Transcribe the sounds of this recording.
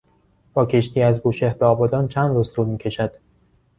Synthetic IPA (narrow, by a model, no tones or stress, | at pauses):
b̥ɒːcʰe̞ʃt̪ʰiːæzboʃehbeɒːbɒːd̪ɒːnt͡ʃʰænd̪ɾuzt̪ʰuɾmiːcʰe̞ʃæd̪̥